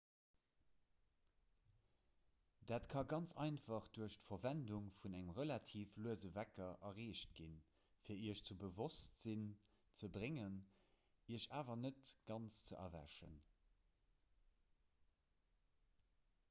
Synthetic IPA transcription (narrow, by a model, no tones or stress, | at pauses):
d̥aːtkʰɑɡɑnt͡sɑ̰ɪnfɑχd̥uɐʃtfɐvænduŋfunæŋəmʁəlatʰiːfluəzəvækɐʔɐʁeːʃt̚ɡ̥in | fiːɐiəɐʃt͡subəvostz̥in | t͡səbʁeŋən | iəɕaːvɐnətɡ̥ɑnst͡st͡səʔɐ̰væ̰ʃə̰n